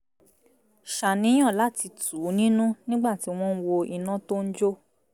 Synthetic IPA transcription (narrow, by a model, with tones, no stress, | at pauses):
ʃa˨nĩ˨˦j̃ã˦˨la˦ti˧tu˨˦nĩ˦nũ˦nĩ˦ɡ͡ba˦˨ti˨˦w̃ɔ̃˦˧n̩˦wo˧i˨nã˦to˦n̩˦d͡ʒo˦